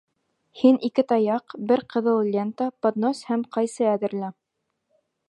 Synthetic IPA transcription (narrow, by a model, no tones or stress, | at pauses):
hinʔikɘt̪ɑjɑqbɘɾqɤ̆ðɤlˠlʲent̪ɑpod̪noshæmqɑjsɤæðɘ̆ɾlæ